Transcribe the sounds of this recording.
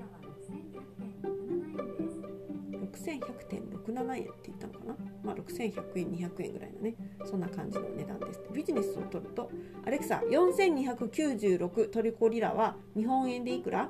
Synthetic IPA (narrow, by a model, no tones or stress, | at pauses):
ɾo̞kɯ̟̥sẽɰ̃çakɯ̟̥t̪ẽ̞̰nɾo̞kɯ̟nanaẽ̞̰nt̪ːe̞it̪ːanokanamaːɾʔo̞kɯ̟̥sẽ̞ɰ̃çakɯ̟ẽ̞ɲ̟ːiçakɯ̟ẽŋɡɯ̟ɾa̰ḭno̞ne̞sõnːakãɲ̟d͡ʑino̞̰ne̞d̪ã̰nd̪e̞sɨ̥t̪ebʲiʑine̞sɨo̞̰t̪o̞ɾɯ̟t̪o̞aɾe̞kɯ̟̥sa̰jõ̞ɰ̃sẽ̞ɲ̟ːiçakɯ̟kʲɨːʑɨːɾo̞kɯ̟t̪o̞ɾʲiko̞ːɾʲiɾa̰βa | ɲ̟iɦõ̞ɰ̃ẽ̞nd̪e̞ikɯ̟ɾʔa